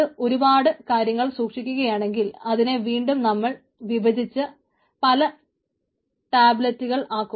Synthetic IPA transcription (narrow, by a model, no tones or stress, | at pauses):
ɨo̞ɾubaːɽɨkaːɾjɐŋːɐɭsuːkʂikʲːuɣɐjaːɳe̞ŋɡilɐðine̞ʋiːɳɖumnɐmːɐɭ | ʋibɐd̪ʱit͡ɕːɨ | pɐlɐ | ʈaːblɐtːuɣɐɭaːkːu